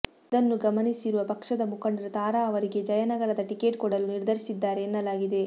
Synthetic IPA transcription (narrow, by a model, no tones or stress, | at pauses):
id̪ɐnːuɡɐmɐnisiɾuʋɐpɐkʂɐd̪ɐmukɐɳɖɐɾɐt̪aːɾaːɐʋɐɾiɡe̞d͡ʒɐjɐnɐɡɐɾɐd̪ɐʈike̞ːʈ̚kɔɽɐluniɾd̪ʱɐɾisid̪ːaːɾe̞ːnːɐlaːɡid̪e̞